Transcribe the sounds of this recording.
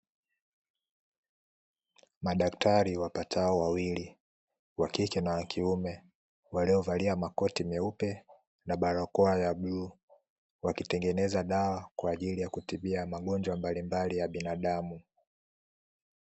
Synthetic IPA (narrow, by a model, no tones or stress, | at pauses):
maɗaktʰaɾiwapatʰaɔwawili | wakikɛnawakʰiumɛ | waliɔvaliamakɔtimjaupɛ | naɓaɾɔkɔajabluː | wakitɛŋɡɛnɛzaɗawakwaːʄilijakutiɓiamaɠɔɲd͡ʒwambalimbalijaɓinaɗamu